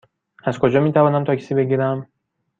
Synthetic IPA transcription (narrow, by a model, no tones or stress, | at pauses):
æzkʰo̞d͡ʒɒːmiːt̪ʰævɒːnæmt̪ʰɒːcʰsiːbe̞ɟiːɾæm